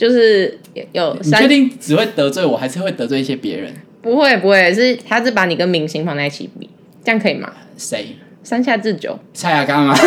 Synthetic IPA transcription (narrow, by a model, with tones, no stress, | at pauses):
t͡ɕjo˥˧ʊʂɻ̩˥˩jjo˨˩ʊi˨at͡ɕɥɛ˥˧t̪i˥˩ŋʈ͡ʂɻ̩˨we˥˩ɪt̪ɤ˧˦t͡swe˥˩ɪwɔ˨˩ha˧ɪʂ̩˥˧xwe˥˩ɪt̪ə˧˦t͡swe˥˧ɪi˥ɕjɛ˥pjɛ̰˧˦ɻə̰˧˦n | pu˧˥xwe˥˩ɪpu˧˥hwe˥˩ʂɻ̩˥˩t̪ʰa˥t͡s̩˥˩pa˧˥ni˨˩ɡə˦nmi˧˥ŋɕi˧˥ŋpʰɑ˧˥ŋt͡sa˧˩ɪt͡ɕʰḭ˨˩pḭ˨˩ | t͡ɕjɑ˥˩ŋkʰɤ˧˦i˨˩ma̰˨˦se˥˩ɪ | sa˥nɕja˥˧t͡sɹ̩˥˨t͡ɕjo̰˨˩˦ʊsa˥˩ja˨˩ka˦˥˦ŋa˧